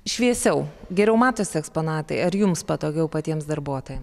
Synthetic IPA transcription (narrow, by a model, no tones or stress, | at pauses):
ʃʲʋʲiɛsʲɛʊɡʲɛɾʲɛʊmɑːt̪oːsʲɪɛkspoːnɑːt̪ɐɪɐɾjʊmspɐt̪oːɡʲɛʊpɐt̪ʲiɛmsd̪ɐɾbuɔt̪oːjɛms